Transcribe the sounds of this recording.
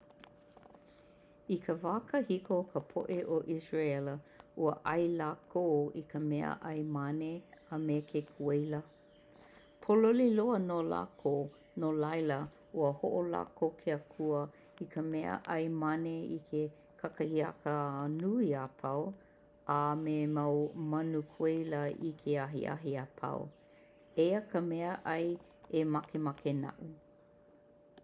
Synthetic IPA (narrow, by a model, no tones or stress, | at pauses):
ikʰəvaːkəhikokəpʰo̰ʔeʔoʔisɹaɛləuəʔɐjlaːkʰoːikəmɛə̰ʔɐjmaneamekʰekʰuejlə | pʰololiloənola̰ko | nolajlə | uəhoʔola̰ːkʰowkʰeəkʰuə | ikʰəmɛə̰ʔɐjmaneḭkʰe | kʰakɐhiɐ̰kənuiapʰɐw | amemawmɐnukʰuejləḭkʰeaɦḭʔa̰ɦiapʰa̰w | ejəkʰəmɛəʔɐj | emakemakʰena̰ʔu